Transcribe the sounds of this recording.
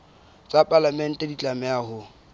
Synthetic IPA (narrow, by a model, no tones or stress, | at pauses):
t͡sʼapʼalamɛn̩tʼɛdit͡ɬʼamɛaːhʊ